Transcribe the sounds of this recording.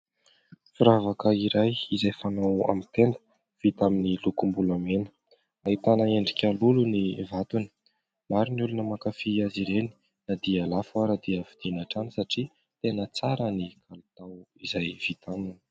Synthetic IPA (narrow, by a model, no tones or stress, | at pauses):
fuɾavakəiɾajizajfanawa̰mit̪end̪ə̥ | v̥it̪aminilukumbulamenə̥ | ait̪anəeɳɖ͡ʐikʲalulunivat̪uni̥ | maɾiniulunəmakafiaziɾeni̥ | nad̪ialafwaɾad̪iəfid̪̥inaʈ͡ʂanisaʈ͡ʂi | t̪enət͡saɾənikʰalut̪awizajv̥it̪anini̥